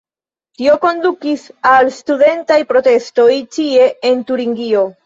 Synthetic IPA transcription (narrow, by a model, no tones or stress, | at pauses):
tio̞ko̞ndukisalstude̞ntajpɾo̞te̞sto̞jtie̞entuɾiŋɡio̞